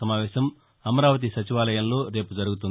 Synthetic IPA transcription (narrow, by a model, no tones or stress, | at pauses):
ɐmaːʋɛːʃɐm | ɐmɐɾaːʋɐt̪̬isɐt͡ʃiʋaːlɐjɐmlo̞ːɾe̞ːpud͡ʒɐɾuɡut̪und̪